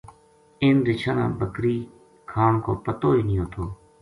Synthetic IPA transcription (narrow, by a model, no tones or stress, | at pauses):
ɪːnɾɪt͡ʃʰaːnã̰ːbəkɾiː | kʰaːɳkʰoːpət̪oːiːnɪ̃ːjõːt̪ʰoː